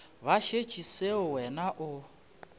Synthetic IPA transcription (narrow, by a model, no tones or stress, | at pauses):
βaʃet͡ʃʰʼiseʊwɛnaʔʊ